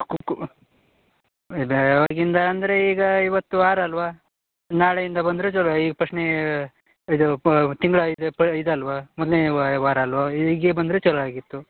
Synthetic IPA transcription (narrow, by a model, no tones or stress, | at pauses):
kuk | bʋɐɾɡind̪ɐːnd̪ɐɾe̞iːɡɐiʋɐt̪ːuʋaːɾɐlʋaː | naːɭejind̪ɐbɐnd̪ɾet͡ʃɐɽaiːɡɐpɾɐʂne | id̪ut̪iŋɡɭɐid̪epɐid̪ɐlʋaːmɔd̪lneʋaːɾɐlʋaiːɡeːbɐnd̪ɾet͡ʃɐɽɭaːɡit̪ːu